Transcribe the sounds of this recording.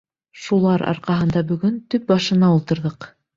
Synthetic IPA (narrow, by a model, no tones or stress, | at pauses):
ʃulˠɑɾʔɑ̰ɾqɑɦɤ̆nd̪ɑbɵ̆ɡɵnt̪ɵp̚bɑʃɤ̆nɑulˠt̪ɤ̆ɾðɤq